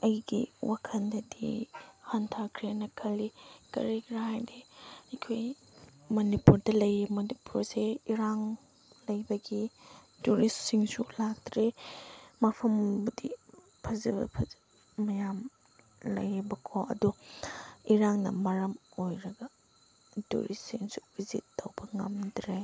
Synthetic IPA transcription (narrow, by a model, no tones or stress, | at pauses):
ɐjɡḭwakʰɐndɐdḭhɐntʰakʰɾenɐkʰɐlːikɐ̰ɾikʰɾɐɦajdeɐjkʰoj | mɐnipuɾdɐlɐjimɐnipuɾseiɾaŋ | lɐjbɐɡi | tuɾissiŋsulak̚tɾe | mɐpʰɐmdḭ | pʰɐzɐb̰pʰɐzi | mɐjam | lɐ̰jbɐkʰoɐ̰du | iɾaŋnɐ̰mɐɾɐmojɾɐɡɐ | tṵɾissiŋsu̥bizḭtːowbɐŋɐmdɾe